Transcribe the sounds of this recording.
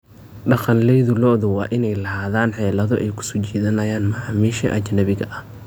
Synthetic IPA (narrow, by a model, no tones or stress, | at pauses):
ɖɑqɑnlɛjðʊlɔʔðʊwɑːʔɪnɛjlɐɦaːðaːnħɛːlɐðɔʔɛjkʰʊ̥sut͡ʃɛːðɐnɐjaːnmɐʕaːmiːʃɐʔɐt͡ʃnɐβɪɣɐʔɐh